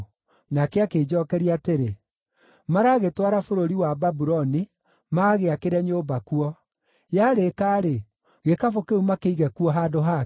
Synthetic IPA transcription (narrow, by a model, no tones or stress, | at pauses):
nakeakeːd͡ʒɔkɛɾiaːteɾe | maɾaːɣetwaɾafoɾoɾiwababuɾɔni | maːɣeakeɾɛɲobakuɔ | jaɾekaːɾe | ɣekafokeumakeiɣɛkuɔɦaːdoɦa